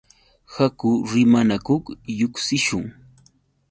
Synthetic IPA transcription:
hakʊɾɪmanakoχjʊksɪʃʊŋ

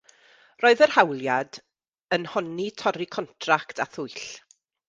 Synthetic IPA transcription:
roːɨðərhawlˠjad | ənhɔnitʰɔɾikʰɔntʰraktʰaθʊɨɬ

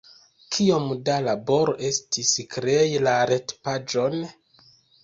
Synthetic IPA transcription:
kʰiomdalabo̞ɾo̞ʔe̞stiskɾejilaɾe̞tpad͡ʒo̞n

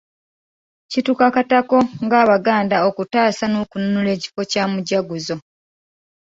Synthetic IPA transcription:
citukakatako̞ŋɡaːβaɡaːndaokutaːsanoːkununule̞ːci̥fo̞caːmuɟaɡuzo̞

